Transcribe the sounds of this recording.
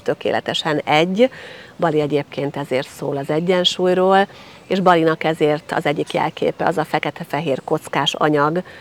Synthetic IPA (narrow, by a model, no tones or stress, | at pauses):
t̪ø̞kḛːlʔɛ̰t̪ɛʃɛnɛɟːbɒliɛɟeːpkeːnt̪ɛzeːrt̪soːlɒzɛɟːɛnʃuːjroːl | eːʒbɒlinɒkɛzeːrt̪ɒ̰zɛɟːikjɛ̰lkʰḛːpɛ̰ɒzɒfɛkɛt̪ɛfɛɦeːrko̞t̪skaːʃɒ̰ɲɒɡ